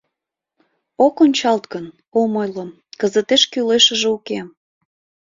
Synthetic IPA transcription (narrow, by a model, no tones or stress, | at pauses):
okonʲt͡ɕɑlt̪kən | omojləm | kəzət̪eʃkyleʃə̆ʒeukem